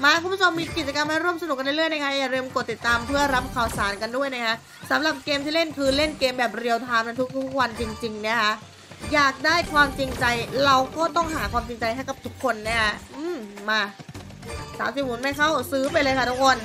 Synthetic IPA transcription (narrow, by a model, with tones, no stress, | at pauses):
maː˧kʰu˧˦bu˥˩t͡ɕʰo˧mːiː˧ki˨˩t̪̚t͡ɕa˧ka˧mːaː˥˩ɾu˥˩əmsa˧nu˨˩k̚ːa˧nda˥˩lɯ˥˩əjna˥kʰa˦˥jaː˨˩ɾiː˧mko˨˩t̪ːi˨˩t̪ːaː˧mpʰɯ˥˩ɐɾa˦˥p̚kʰaː˨˩wsaː˩˦nka˧ndu˥˩əjna˦˥jkʰa˦˥ʔ | sa˩˦mɾa˨˩p̚keː˧mt̪ʰiː˥˩le˥˩nkʰɯː˧le˥˩nkeː˧mbɛː˨˩p̚ɾi˧əwt̪ʰaː˧mna˦˥t̪ʰu˦˥k̚t̪ʰu˦˥k̚wa˧nt͡ɕi˧ŋt͡ɕi˧ŋni˦˥ɐkʰa˦˥ʔ | jaː˨˩k̚daː˥˩jkʰwaː˧mt͡ɕi˧ŋt͡ɕa˧jɾa˧wkɔː˥˩t̪ɔ˥˩ŋɦaː˩˦kʰwaː˧mt͡ɕi˧ŋt͡ɕa˧jɦa˥˩jka˨˩p̚t̪ʰu˦˥kʰːo˧nːi˦˥ɐkʰa˦˥ʔɯː˧˩mmaː˧ | saː˨˦msiː˧˩mu˨˩˦nma˥˩jkʰa˥˩wsɯː˦˥pa˧jlɤː˧jkʰa˥˩t̪u˦˥kʰo˧n